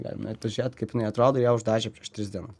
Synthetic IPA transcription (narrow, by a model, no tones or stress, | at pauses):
ɡɑ̰ːlʲɪ̰mnɐt̪ɐʒʲiːt̪kɐɪpʲjɪnɐɪɐt̪ɾoːd̪oːjɛːʊʒd̪ɑːʒʲɛpʲɾʲiɛʃt̪ʲɾʲɪzd̪ʲiɛnʊs